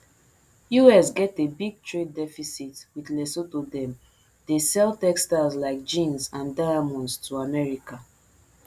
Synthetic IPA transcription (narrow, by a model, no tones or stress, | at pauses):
juɛsɡɛtebiɡ̚tʰɹedɛfisitwiðlɛsotodɛ̃m | desɛltɛkstazlaɪk̚d͡ʒĩnsãndaamɔ̃nstʰuamɛɹika